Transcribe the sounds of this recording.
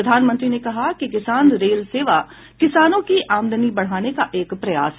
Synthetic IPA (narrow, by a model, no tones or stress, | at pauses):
ɐd̪ʱaːnmə̃nt̪ɾinekɐɦakikɪsaːnɾeːlseːʋa | kɪsaːnõkiʔaːmd̪ʱənibɐɽ̤aːnekaʔeːkpɾɐja̰ːsɦ